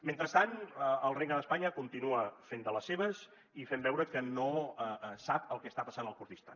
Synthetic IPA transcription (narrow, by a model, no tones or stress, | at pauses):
ment̪ɾəst̪anəəlˠreɡnəðəspaɲəkunt̪inuəfend̪ələsːeβəz | ifɛmbɛwɾəkənosapəlˠkɛəst̪apəsanəlˠkuɾt̪ist̪a̰